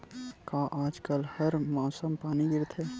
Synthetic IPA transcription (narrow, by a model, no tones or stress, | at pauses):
kaʔaːd͡ʒkəlhəɾmaːsəmpaːniɡɪɾt̪ʰe